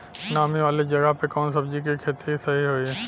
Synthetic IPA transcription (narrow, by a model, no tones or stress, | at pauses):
naːmiʋaːled͡ʒɐɡəɦpekɔːnsɐbd͡ʒikikʰeːt̪isɐɦiɦoːiɛː